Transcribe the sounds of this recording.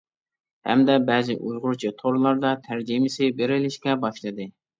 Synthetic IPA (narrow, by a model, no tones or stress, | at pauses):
hɛ̰md̪ɛbɛzɪʔujʁʊɾt͡ʃʰit̪ʰoɾlˠɑɾd̪ɑt̪ʰæɾd͡ʒimɪsɪbeɾɪlɪʃkʲɛbɑʃlˠɨd̪ɨ